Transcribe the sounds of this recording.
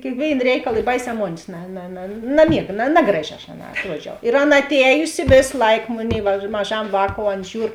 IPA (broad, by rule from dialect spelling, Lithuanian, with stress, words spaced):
kʲeːkˈʋʲeːɪn ˈrʲɛɪkɐlˠ ɪ ˈbɐɪˌsʲɛː ˈmoːnʲeːs nɐ nɐ nɐ nɐˈmʲiɛɡɐ nɐ ˈnɑːɡrɐˌʒʲɪ ɐʃ ɐˈnɑː ɐtˈruɔd͡ʒʲɛʊ ɪr ˈɑːˌnɐ ɐtʲˈɛːjʊsʲɪ ˈʋʲeːs ˈlˠɐɪk ˈmʊnʲɛɪ ʋɐ mɐˈʒɐm ˈʋɑːkoːʊ ˈɐn ˈʒʲuːr